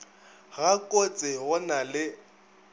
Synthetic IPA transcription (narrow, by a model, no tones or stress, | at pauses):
ɣakʼot͡sʼɪɣʊnalɪ